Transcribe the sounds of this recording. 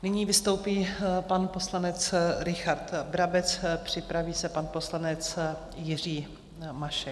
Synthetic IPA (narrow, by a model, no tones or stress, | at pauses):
nɪɲiːvɪst̪o̞wpiːpanpo̞slanɛt͡sɾɪxaɾt̪bɾabɛt͡spr̝̥ɪpɾaviːsɛpanpo̞slanɛt͡s | jɪr̝iː | maʃɛ